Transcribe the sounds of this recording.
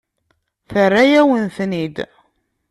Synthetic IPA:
θərːajæwənθnid̪

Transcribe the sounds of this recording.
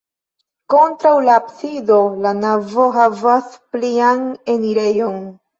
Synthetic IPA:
ko̞ntɾawlaːpsido̞lanavo̞ɦavaspliane̞niɾe̞jo̞n

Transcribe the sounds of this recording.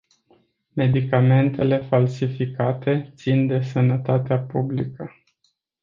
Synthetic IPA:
me̞d̪ikame̞nt̪e̞le̞falsifikat̪e̞t̪sind̪e̞sənət̪at̪eapublikə

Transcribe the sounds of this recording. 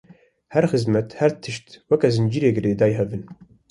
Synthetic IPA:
hɛɾxɨzmɛt̪hɛɾt̪ʰɨʃt̪wɛkɛzɨnd͡ʒiːɾeːɡɨɾeːd̪ɑːjɦɛbɨn

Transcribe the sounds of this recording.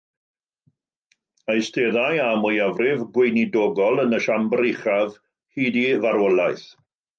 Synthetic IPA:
ajsteðajamʊjavrɪvɡwejnidɔɡɔlˠənəʃambɾejχav | hiːdivaɾwəlˠaɨθ

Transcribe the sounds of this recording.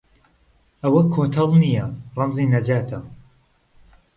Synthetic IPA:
ʔɐwɐkʰoːt̪ʰɐlˠnijɐrɑmziːnɐd͡ʒaːt̪ʰɐ

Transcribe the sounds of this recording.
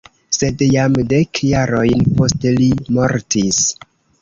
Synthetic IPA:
se̞djamde̞kʰjaɾo̞jnpo̞stelimo̞ɾtis

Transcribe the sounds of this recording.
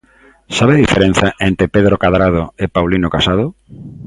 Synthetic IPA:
saβeðifeɾẽn̟θaʔent̪ɾepeðɾokaðɾaðoepawlinokasað̞o

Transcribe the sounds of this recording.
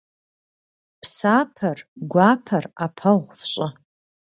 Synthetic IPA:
pʰsapʰɐrɡʷapʰɐrapʰɐʁʷfɕʼʊ

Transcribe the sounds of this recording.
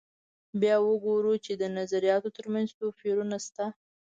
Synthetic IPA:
bjɑwəɡoɾut͡ʃed̪ənazaɾijɑt̪ot̪əɾmanzt̪ofiɾunast̪a

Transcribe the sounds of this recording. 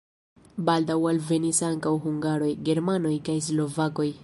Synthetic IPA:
baldawalve̞nisaŋkawɦuŋɡaɾo̞jɡe̞ɾmano̞jkajs̬lo̞vako̞j

